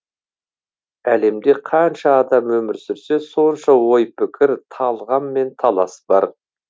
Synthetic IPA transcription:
æle̞md̪e̞qʰɑnʃɑːd̪ɑmwɵmɪɾsɪɾse̞so̞nʃɑwo̞jpʰɪkʲʰɪɾt̪ʰɑlˠʁɑnme̞nt̪ʰɑlˠɑsbɑ̰ɾ

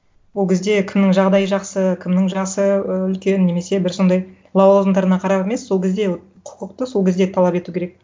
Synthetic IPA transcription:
wolˠkʲɪzd̪e̞kʲʰɪmnɪŋʒɑʁd̪ɑjəʒɑqsəkʲʰɪmnɪŋʒɑsəʏlkʲe̞nːe̞me̞se̞bɪɾso̞nd̪ɑj | lˠɑw̪ozənd̪ɑɾənɑqʰɑɾɑpeme̞sːo̞lˠkʲʰed̪e̞ | qʰʊ̥qəqt̪əso̞lˠkʲezd̪et̪ʰɑlˠɑpe̞t̪ukʲʰeɾek̚

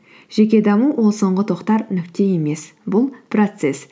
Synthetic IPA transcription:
ʒ̥e̞kʲe̞d̪ɑmuwʔo̞lˠso̞ɴʁət̪ʰo̞qt̪ɑɾnʏkt̪e̞je̞me̞s | bʊlˠprot̪se̞s

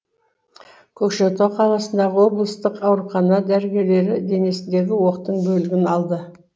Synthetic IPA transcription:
kʲʰɵkʃet̪oqʰɑlˠɑsənd̪ɑʁəwo̞blˠəst̪əqɑwɾuχɑnɑd̪æɾɡʲe̞le̞ɾɪd̪e̞ne̞sɪnd̪e̞ɡʲɪwo̞qt̪əɴbɵlɪɡʲɪnɑlˠd̪ə

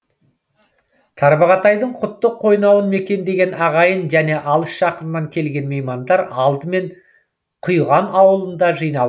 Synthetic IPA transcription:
t̪ʰɑɾbɑʁɑt̪ɑjd̪əɴqʰʊt̪ːəqʰːo̞jnɑwənme̞kʲe̞nd̪e̞ɡʲe̞nɑʁɑjənʒæne̞ʔɑlˠəsʃɑqənənɑŋkʲʰe̞lɡʲe̞nmejmɑnd̪ɑɾɑlˠd̪əme̞ɴ | qʰʊjʁɑnɑwəlˠənd̪ɑʒɯjnɑ

